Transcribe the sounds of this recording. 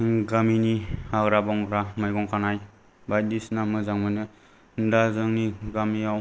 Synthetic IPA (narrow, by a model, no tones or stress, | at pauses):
ɡaminiaɡɾabɔŋɡɾamajɡɔŋkʰanaj | bajdisnamɯzaŋmɯjnɯ | ndazɯŋniɡamiaw